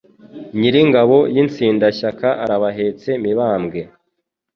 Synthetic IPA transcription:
ɲiɾiŋɡaβo̞jint͡siːndaʃakaʔaɾaβaɦe̞ːt͡se̞miβaːmɡe̞

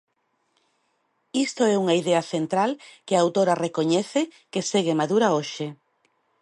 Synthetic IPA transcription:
ist̪oɛuŋaiðeɐθent̪ɾalkeaawt̪oɾɐrekoɲɛθekeseɣemaðuɾaoʃe

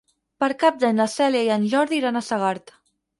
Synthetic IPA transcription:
pəɾkap̚d̪aɲlasɛljajanʒɔɾðiɾanasaɣaɾt̪

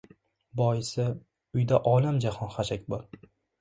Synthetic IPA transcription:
bɒjɪsɪ | ʊjd̪aʔɒlamd͡ʒahɒnχaʃʰakʲbɒɾ

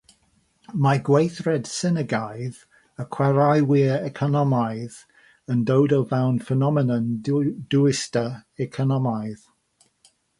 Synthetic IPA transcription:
maɡwejθrɛd̥sɪnəɡajð | əkʰw̥ɛɾajwiəɛkʰɔnɔmajð | əndowdəlvawnfənɔmɛnənd̥uɪstəɛkʰɔnɔmajð

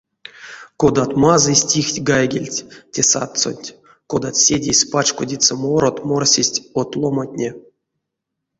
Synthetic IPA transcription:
kod̪at̪mazɨsʲtʲixtʲɡajɡʲelʲtʲtʲesa̰t̪so̰nʲtʲ | kod̪at̪sʲedʲesʲpat͡ʃkodʲit̪səmoɾot̪morsʲisʲtʲot̪lˠomatʲnʲe

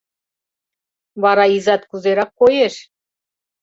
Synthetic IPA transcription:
βɑɾɑizɑt̪kuzeɾɑkːojeʃ

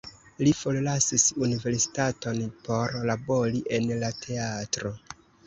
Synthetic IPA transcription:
lifollasisunive̞ɾsi̥tato̞npo̞ɾlabo̞ɾiʔe̞nlatʰe̞atɾo̞

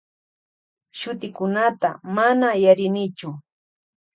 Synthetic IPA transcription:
ʃʊt̪ɪkʊnat̪a̰manajaɾɪnɪt͡ʃʊ

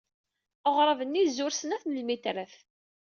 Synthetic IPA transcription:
əʁɾˤəvənːizʊɾsənæθnəlmit̪ɾəθ

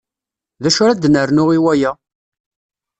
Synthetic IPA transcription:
ðæʃʊɾad̪nəɾnʊʁiwæjæ

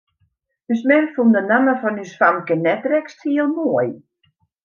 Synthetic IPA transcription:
dysmɛnfundənanəfɔnysfamkɛnɛt̚rɛkstʰiəlˠmoəj

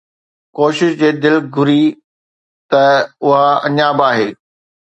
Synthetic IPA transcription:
koːʃɪʃd͡ʑeːd̪ɪlɡʱʊɾi | t̪ɐʊɦaɐ̰ɲaːbaːɦeː

